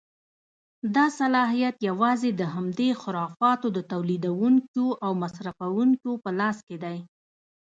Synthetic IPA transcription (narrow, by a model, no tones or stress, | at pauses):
d̪ɑsalɑɦijat̪jawɑzed̪əɦamd̪exʊɾɑfɑt̪od̪ət̪awlid̪awuŋkoʔawmasɾafawuŋkopəlɑsked̪aj